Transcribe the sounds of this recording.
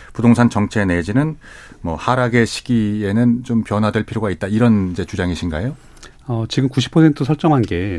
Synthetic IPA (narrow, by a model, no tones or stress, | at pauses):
pudoŋsʰant͡ɕʌŋt͡ɕʰe̞ne̞d͡ʑinɯn | mwʌ̰haɾaɡe̞ɕʰi̥ɡie̞nɯnt͡ɕompjʌnɦwadwe̞ɭpʰiɾjoɡait̚t͈aiɾʌnid͡ʑe̞t͡ɕud͡ʑaŋiɕʰinɡaejo | ʌt͡ɕiɡɯmkuɕ̬ʰi̥pʰʌsʰe̞ntʰɯsʰʌɭt͡ɕ͈ʌŋɦanɡe̞